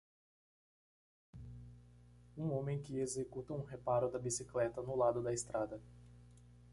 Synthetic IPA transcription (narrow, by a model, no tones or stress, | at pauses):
ũõmẽj̃kɪezekut̪ɐũɦepaɾʊd̪ɐbisiklɛt̪ɐnʊlad̪ʊd̪ɐest̪ɾad̪ɐ